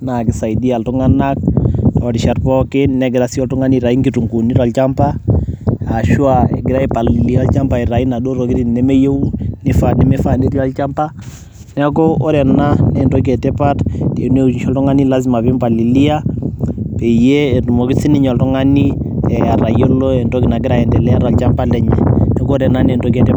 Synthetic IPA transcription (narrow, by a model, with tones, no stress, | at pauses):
na˨kɪ˨sa˨i˨di˦a˨ltu˦ŋa˦na˦k̚tɔɾi˨ʃa˨tpɔkɪ˦nɛɡɪɾa˨si˦ɔ˨ltu˦ŋa˦ni˦ɾa˨i˦ŋɡitu˨ŋɡu˨ni˦ɾa˨lt͡ʃa˦mpa˦ | a˨ʃu˦aɛ̰˨ɡɪɾa˦i˦pa˨li˨li˦alt͡ʃa˦mpa˨i˨ɾa˨i˦na˨ɗo˦ɾo˨ki˦ɾi˦nnɛ˦me˦je˦u˦ni˦fa˨nɛ˦me˦fa˨ni˦ɾi˦a˦lt͡ʃampa˦ | na˦kɔ˦ɔ˦ɾɛ˨na˦nɛndɔ˦k̬ɛ˨tɛ˦pa˦tte˨n˦e˦ʃɔ˦ltɔ˦ŋa˦ni˦la˦zi˨ma˨pi˦mpa˨li˨li˦a˦ | pɛ˨ijeː˦˨tu˨mɔ˨ki˦si˦ni˦ɲɔ˨ltɔ˦ŋa˦ni˦ | ɛa˨ɾa˨jɔ˦lɔ˦ɛ˨ndɔ˦kina˨k̬i˦ɾa˨ɛ˨ndɛ˨lɛ˦a˦ɾa˨lt͡ʃampa˦lɛɲɛ̰˨nɛ˦kɔ˦ɔ˦ɾɛ˨na˦nɛ˨ndɔ˦k̬ɛ˨tɛ˦